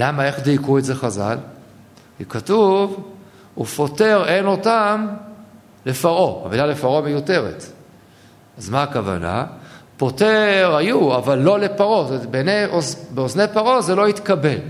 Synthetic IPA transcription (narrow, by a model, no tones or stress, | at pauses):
lamae̞χdikuetze̞χaza̰l | kikatuv | ṵfo̞te̞ʁe̞no̞tam | le̞faʁo̞a̰bilale̞faʁo̞mejute̞ʁḛt | azmaːkava̰na̰po̞teʁhajuavalːo̞le̞paʁo̞zebeneozbeoznejpaʁo̞zelo̞it̪kabe̞l